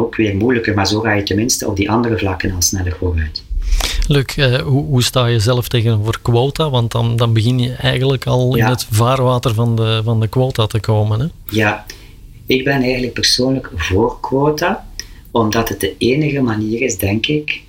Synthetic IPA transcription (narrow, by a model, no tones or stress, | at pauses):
oːkʋɪːrmujləkərmaːɹzoːɣaːjətənmɪnstəɔ̰b̚diʔɑndərəvlɑkənɑlˠsnɛlərvoːrœɥt | løːkʰəːɦuɦustaːjəzɛləfteːɣənoːvərkwoːtaʋɑntdɑndɑnbəɣɪnjəɛjɣənləkʰɑlˠɪnɦətvaːrʋaːtərvɑndəvɑndəkwoːtatəkoːmənɦɛ | jaː | ɪɡ̚bɛnɛjɣəntlək̚pərsoːnləkvoːrkwoːta | ɔmdɑtət̚dəeːnəɣəmaniːɾɪzdɛŋkɪk